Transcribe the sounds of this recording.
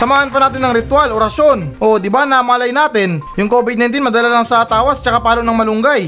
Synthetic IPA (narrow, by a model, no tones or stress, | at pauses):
sɐmaːhɐnpɐnaːt̪ɪnːɐŋɾɪt̪waloɾɐsjo̞nʔo̞d̪ɪbanamaːlɐjnaːt̪ɪnjʊŋkobɪd̪̚nɐjnt̪inmɐd̪ɐlalɐŋsɐt̪aːwɐst͡ʃɐkapaːlonɐŋmɐlʊŋɡaj